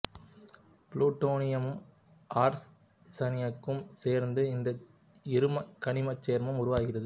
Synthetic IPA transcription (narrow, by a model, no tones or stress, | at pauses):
pluːʈːoːnɪjɐmɯm | ʔaːɾ | sɐnɪjɐkːɯmseːɾnd̪ɯɪnd̪ɐ | ɪɾɯmɐkːɐɳɪmɐt͡ʃːeːɾmɐmʊɾʊʋaːɣɪrɐðɯ